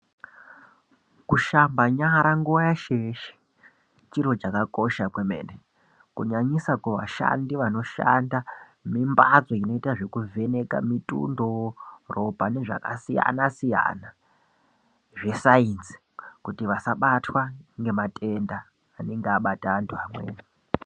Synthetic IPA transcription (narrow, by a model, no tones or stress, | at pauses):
kuʃambaɲaɾaŋɡuʋajaʃeʃe̥ | t͡ʃiɾo̞t͡ʃakako̞ʃakwemḛːne | kuɲaɲisakeʋa̰ʃa̰ndiʋano̞ʃa̰nda | mimbazo̞ino̞itaʐe̞kuvʱe̞ne̞ka̰mitṵndorʔo̞pane̞ʐa̰ka̰sija̰nasija̰na | ʐe̞sainsi̥ | kutiʋasaɓatʰwaŋɡe̞matʼe̞ndaː | neŋɡeaɓataːntʰuamwe̞̰ːna